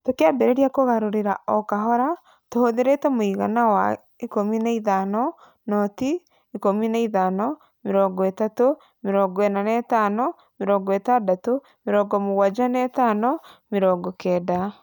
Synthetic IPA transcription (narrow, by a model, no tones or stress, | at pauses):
tokeabɛɾeɾiakoɣaɾoɾeɾaɔkaɦɔɾa | tohoðeɾetɛmoiɣa̰nawa̰ | ikominaiðanɔ | nɔtiː | kominaiðanɔ | meɾɔːŋɡɔetato | meɾɔːŋɡɔenanɛtanɔ | meɾɔːŋɡɔetadato | meɾɔːɡɔmoɣwad͡ʒanɛtanɔmeɾɔːɡɔkɛda